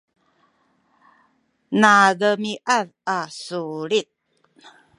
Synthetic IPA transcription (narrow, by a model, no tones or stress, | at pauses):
naɡəmiʔaðasuɾit̪̚